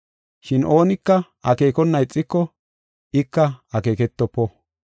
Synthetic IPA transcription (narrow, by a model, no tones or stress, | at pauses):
ʃɪnʔo̞ːnɪkːɐ | ɐke̞ːkɔnːɐjt͡sʼːɪkːɔ | ɪkːɐɐke̞ːkɛt̪ːɔpːɔ